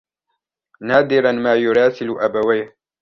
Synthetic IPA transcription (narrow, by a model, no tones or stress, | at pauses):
naːd̪ɪɾanmaːjʊɾɑːsɪlʊʔabawaj